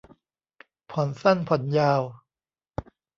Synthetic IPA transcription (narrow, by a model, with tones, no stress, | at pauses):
pʰɔ˨˩˦nsa˥˩npʰɔ˨˩˦njaː˧w